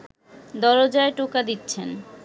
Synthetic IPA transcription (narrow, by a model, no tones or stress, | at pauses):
d̪ɔɾod͡ʑaeʈokad̪itːɕʰen